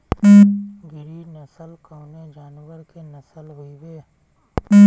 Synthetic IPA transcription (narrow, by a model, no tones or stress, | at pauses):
ɡʱɪɾinəsəlkaʊned͡ʒaːnwəɾkenəsəlɦʊiʋeː